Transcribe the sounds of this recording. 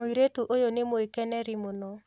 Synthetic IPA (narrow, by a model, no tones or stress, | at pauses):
oiɾetuʔojonemoekɛnɛɾimonɔ